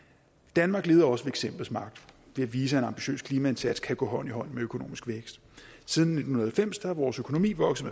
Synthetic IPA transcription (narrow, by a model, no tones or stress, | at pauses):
d̥ænmɑ̈ːɡ̥le̝ːðˠɐɒ̽səʋe̝eɡ̥sem̰b̥l̩smɑ̈ɡ̥̚d̥ʋe̝æʋiːsəe̝nɑ̈mb̥iɕø̰ːskʰliːmæe̝nsʰæd̥skʰæɡ̥ɔ̰̽ːɦɒ̽n̰iɦɒ̽n̰̩meøkʰo̝no̝̰ːmisɡ̥ʋeɡ̥sd̥ | sið̞ˠn̩ːe̝d̥n̩hunɐðˠhælfem̰sd̥ɑhɑʋɒːsøkʰo̝no̝mḭːʋɒ̽ɡ̥s̩ˠm